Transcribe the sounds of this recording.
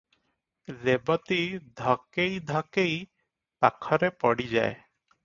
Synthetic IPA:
ɾebɔt̪id̪ʱɔkejd̪ʱɔkej | pakʰɔɾepɔɽid͡ʑa̰e

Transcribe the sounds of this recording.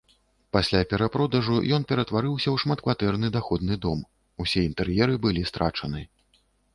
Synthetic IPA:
pasʲlʲapʲɛɾapɾɔd̪ɐʐujɔnpʲɛɾɐt̪vaɾɨwsʲɐwʂmat̪kvat̪ɛrnɨd̪axɔd̪̚nɨd̪ɔm | usʲɛint̪ɛrjɛɾɨbɨlʲist̪ɾat͡ʂɐnɨ

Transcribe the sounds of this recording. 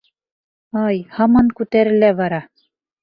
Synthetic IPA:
ɑjhɑmɑŋkʉt̪æɾɘ̆læβɑɾɑ

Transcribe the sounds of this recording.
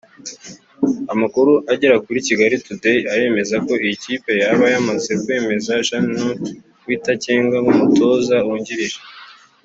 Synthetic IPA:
amakuɾuʔaɟeɾakuɾiciɡaɾitudeaɾe̞ːme̞zako̞iciːpe̞jaβajamaze̞kwe̞ːme̞zaʃanu | wiːtaceːŋɡaŋumuto̞ːzawuɲɟiɾiʒe

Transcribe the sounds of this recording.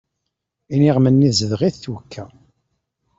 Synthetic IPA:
iniʁmənːizəðʁiθθwəkʰːæ

